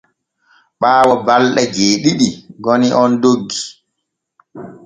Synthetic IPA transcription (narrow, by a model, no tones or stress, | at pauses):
ɓaːwɔbalɗɛd͡ʒeːɗiɗiɡɔniʔɔndoɡːi